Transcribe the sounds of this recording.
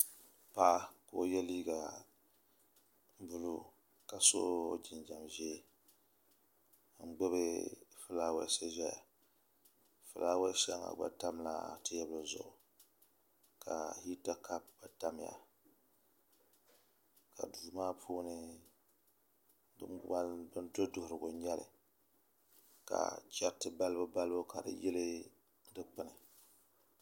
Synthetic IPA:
pa˦ko˨˦˨jɛ˦liː˦ɡa˨ | m̩˦bʊ˦lu˦ | ka˨so˦˨d͡ʒɪ˨nd͡ʒa˨mʒɛ˦ | ŋ̩˨ɡ͡bɛ˦bɨ˦fɨ˦la˦wa̰˦sa˦zɛ˦ja˨ | fɨ˨la˦wɛ˦ʃa˦ŋa̰˨ɡ͡ba̰˨ta˦mla̰˨tɨ˦jɛ˦bɨ˨zʊ̰˨ʔʊ˨ | ka̰˨hi˦ta˦ka˦p̚ba˨ta˦m˨ja̰˨ | ka̰˨du˨maː˦pʰuː˦nɨ˦ | bɨ̰˦m˦a˦bɨ˦ndo˦dʊ˦hʊ˨ɾɨ˨ɡʊ˨ɲɛ˦lɨ̰˨ | ka̰˨t͡ʃɛ˦tɨ˦ba˦lɨ˦bʊ˦ba˦lɨ˦bʊ˦ka˨dɨ̰˨jɪ˦lɨ˦ | dɨ˦k͡pɨ˦nɨ˨

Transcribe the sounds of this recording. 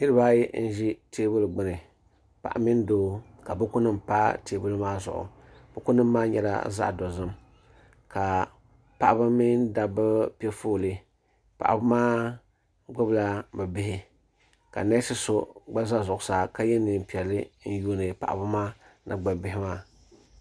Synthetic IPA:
nɨ˦ɾɨ˦ba˦jɛ˦n̩˦ʒi˦tʰeː˦bʊ˦lɡ͡bɨ˦nɨ˨ | pa̰˨ʔa̰˨mɪ˦ndoː˦ka˨bɨ˦kʊ˦nɨ˦mpa˦teː˨˦bɨ˦lmaː˦zʊ̰˨ʔʊ̰˨ | bɨ˦kʊ˦nɨ˦mː˦aː˦ɲɛ̰˨la̰˦za̰˦ʔdɔ˨zɨ˦m | ka˨ | pa˨ʔa˦ba˦mɪ˦nda˨bɨ˦pɛ˦foː˦˨lɨ˦ | pa̰˨ʔa˨bmaː˦ | ɡ͡bʊ˦bla˦bɛ˨bɪ˦hɪ˦ | ka̰˨na˦sɨ˦so˦ɡ͡ba˦za˦zʊ˨ʔʊ˨sa˨ka˦jɛ˦nɨ˨m˨pi˨ɛ˨lɨ˦n̩˦jo˦nɨ˨pa̰˨ʔbɨ˦maː˦nɨ̰˦ɡ͡ba˨bɪ˨ɦɪ˦maː˦˨

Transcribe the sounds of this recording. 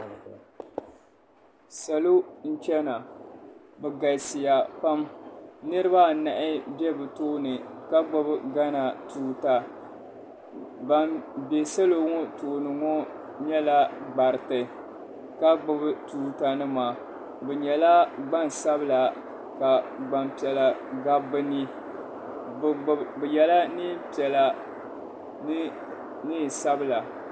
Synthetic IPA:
sa˨lo˦n̩˦t͡ʃɛ˦na˨ | bɛ˨ɡa˨sɪ˨ja˨pa˦mnɨ˦ɾɨ˦ba˦˨na˨ʔɪ˦bɛ˦bɨ˨toː˦nɨ˨ka˦ɡ͡bʊ˦bɨ˦ɡa˦na˨tuː˨ta˨ | ba˨mbɛ˨sa˦lo˨ŋɔ˦toː˨nɨ˨ŋɔ˦ | ɲɛ˦la˦ɡ͡ba˨ɾtɨ˨ | ka˦ɡ͡bʊ˦btuː˨ta˨nɨ˦maː˨ | bɛ˨ɲɛ˨la˦ɡ͡ba˦n˨sa˦bɨ˦˨la˨ | ka˨ɡ͡ba˨mpi˨ɛ˨la˨ɡa˦bːɨ˦ni˦˨ | bɨ˨jɛ˨la˦nɨ˦pi˨ɛ˨la˨˦ | ni˦˨sa˦bɨ˦la˨

